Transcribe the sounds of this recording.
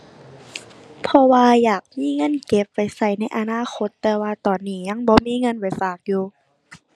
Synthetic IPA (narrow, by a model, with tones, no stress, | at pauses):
pʰɔ˧waː˧jaː˨˩k̚miː˧˥˨ŋɤ˧˥˨nke˧˦p̚ːa˨˩jsa˧˩jna˧˥jʔa˧naː˧˥˨xʰo˧˦t̪ːɛː˧waː˧t̪ɔː˨˩nːiː˧˩ɲa˧˥˨ŋbɔː˧miː˧˥˨ŋɤ˧˥˨npa˨˩jfaː˨˩k̚juː˧